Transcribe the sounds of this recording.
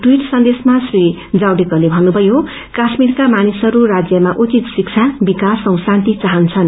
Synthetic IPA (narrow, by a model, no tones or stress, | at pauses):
ʈuiʈsʌnd̪esmasri | d͡zawɖekʌlebʱʌnːubʱʌjo | kasmiɾkamanisʌɾuɾad͡zjʌmaʔut͡sit̪sik̚t͡sʰabikasʌ̃w̃sant̪it͡saɦʌnt͡sʰʌn